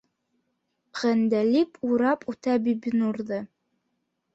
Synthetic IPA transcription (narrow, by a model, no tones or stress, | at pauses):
ʁænd̪ælʲipʰʼuɾɑpʰʼut̪ʰæbibinuɾðɤ